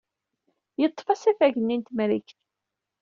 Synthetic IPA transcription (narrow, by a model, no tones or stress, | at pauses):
jət̪ˤːfɑsæfæʝənːint̪mɾiçθ